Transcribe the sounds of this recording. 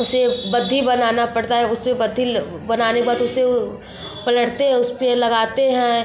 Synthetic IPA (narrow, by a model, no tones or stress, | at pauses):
ʊsebɐd̪ʱːibɐnaːnapɐɽt̪aɦɛʊsebɐd̪ʱi | bɐnaːnekbaːt̪ʊse | pɐləɽt̪eɦɛ̃ʊspelɐɡaːt̪eɦɛ̃